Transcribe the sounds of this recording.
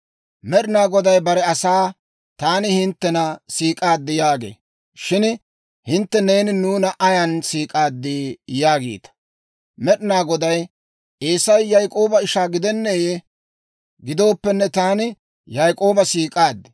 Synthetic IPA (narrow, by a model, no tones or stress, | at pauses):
mɛɗɪnaːɡɔd̪ɐjbɐɾɛɐsaː | t̪aːnɪhɪnt̪ːɛnɐsiːkʼaːd̪ːɪjaːɡḛː | ʃɪn | hɪnt̪ːɛne̞ːnɪnuːnɐʔɐjɐnsiːkʼaːd̪ːɪjaːɡḭːt̪ɐ̥ | mɛɗɪnaːɡɔd̪ɐj | ʔeːsɐjːɐjkʼo̞ːbɐɪʃaːɡɪd̪ɛnːeːje | ɡɪd̪o̞ːpːɛnːɛt̪aːnɪ | jɐjkʼo̞ːbɐsiːkʼaːd̪ːɪ̥